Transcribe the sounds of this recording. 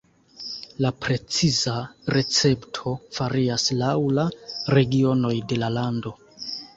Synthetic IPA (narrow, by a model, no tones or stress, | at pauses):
lapɾe̞t͡sizaɾʔe̞t͡se̞ptʰo̞faɾiaslawlaɾe̞ɡio̞no̞jde̞lalando̞